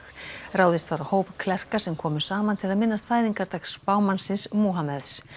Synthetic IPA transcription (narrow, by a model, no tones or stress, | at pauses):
raːwðɪst̪vaɾahoːwpkʰlɛr̥kasɛmkʰɔːmʏ̥saːmant̪ʰɪlaðmɪnːast̪faːjðiŋkaɾt̪akspaːwmansɪsmuɦamɛðs